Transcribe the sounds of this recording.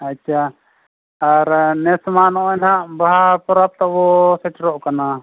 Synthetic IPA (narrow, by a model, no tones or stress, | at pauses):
atːt͡ʃʰaː | ɾnɛsmanɔʔɛnɦaʔbaɦapɔɾap̚t̪aʔbɔsɛʈɾɔʔkana